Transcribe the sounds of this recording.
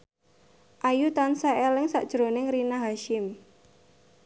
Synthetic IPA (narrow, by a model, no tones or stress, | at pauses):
ʔajut̪ansaelɪŋsa̰ʔd̥ʒ̥ɾonɪŋrinaɦaʃɪm